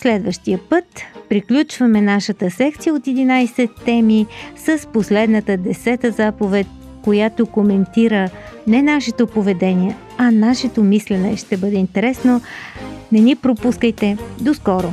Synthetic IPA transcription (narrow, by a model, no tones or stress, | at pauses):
slɛd̪vəʃt̪ijəpɤt̪pɾiklʲut͡ʃvɐmɛnaʃət̪əsɛkt̪sijəot̪ɛd̪inajsɛt̪ːɛmisəsposlɛd̪nət̪əd̪ɛsɛt̪əzapovɛt̪̚ʲ | kojat̪okomɛnt̪iɾənɛnaʃɛt̪opovɛd̪ɛniɛ | ɐnaʃɛt̪omislɛnɛʃt̪ɛbɤd̪ɛint̪ɛɾɛsno | nɛnipɾopuskəjt̪ɛd̪oskɔɾo